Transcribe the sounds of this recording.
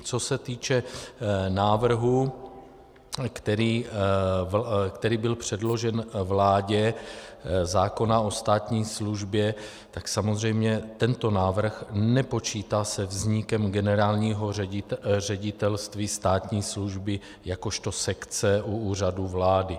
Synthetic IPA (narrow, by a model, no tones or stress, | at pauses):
t͡so̞sɛt̪iːt͡ʃɛ | naːvr̩ɦu | kt̪ɛɾiː | kt̪ɛɾiːbɪlpr̝̥ɛdlo̞ʒɛnvlaːɟɛ | zaːko̞nao̞st̪aːt̪ɲiːsluʒbjɛ | t̪aksamozr̝ɛjmɲɛt̪ɛnt̪o̞naːvr̩xnɛpo̞t͡ʃiːt̪asɛvzɲɪkɛmɡɛnɛɾaːlɲiːɦo̞ɛɪrɛɟɪt̪ɛlst̪viːst̪aːt̪ɲiːsluʒbɪ | jako̞ʃt̪o̞sɛkt͡sɛʔuuːr̝aduvlaːdɪ